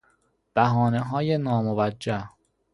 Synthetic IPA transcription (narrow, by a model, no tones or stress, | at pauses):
b̥æɦɒːneɦɒːjenɒːmovæd͡ʒːæh